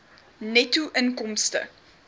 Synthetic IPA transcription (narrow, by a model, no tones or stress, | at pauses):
nɛtuʔənkɔmstə̰